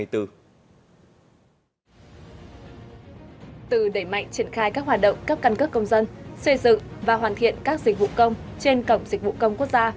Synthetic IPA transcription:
jt̪ɨ˧ | t̪ɨ˨˩ɗe˧˩jma̰˧˨jŋ̟t͡ɕi˧˩ənxaː˧jkaː˦˥k̚waː˨˩t̚ɗə̰˧˨wŋ͡mkaː˦˥k̚kaː˧nkə˦˥p̚kːə˧wŋ͡mzə˧nswe˧zɨ̰˧˨ŋvaː˨˩ɦwaː˨˩nt̪ʰḭ˧˨ənkaː˦˥k̚zi˨˩k̟̚vṵ˧˨kə˧wŋ͡mt͡ɕe˧nkə˧˩wŋ͡mzi˨˩k̟̚vṵ˧˨kə˧wŋ͡mku˦˥ək̚zaː˧

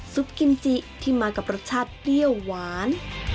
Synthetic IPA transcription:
su˦˥p̚ki˧nt͡ɕi˧ʔt̪ʰiː˥˩maː˧ka˨˩p̚ɾa˦˥t̪̚t͡ɕʰaː˥˩t̪̚li˥˩əwːaː˩˦˥n

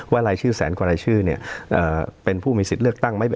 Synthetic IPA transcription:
waː˥˩ɾaː˧jt͡ɕʰɯː˥˩sɛ̰ː˩˦nkwaː˧ɾaː˧jt͡ɕʰɯː˥˩ni˥˩ɐʔɤː˨˩pe˧npʰuː˥˩miː˧si˨˩t̪̚lɯ˥˩ək̚t̪a˥˩ŋma˥˩j

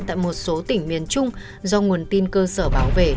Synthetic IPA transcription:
t̪a̰ː˧˨jmo˨˩t̚so˨˦t̪ï˧˩ŋ̟mi˨˩ənt͡ɕʊ˧ŋ͡m | zɔ˧ŋu˨˩ənt̪i˧nkəː˧səː˧˩ɓaː˨˦wvḛ˧˩

